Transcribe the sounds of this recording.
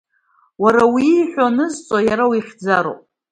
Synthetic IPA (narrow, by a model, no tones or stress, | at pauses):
waɾawiːħʷᶣonɨzt͡sʼojaɾawiχʲd͡zaɾo̰pʼ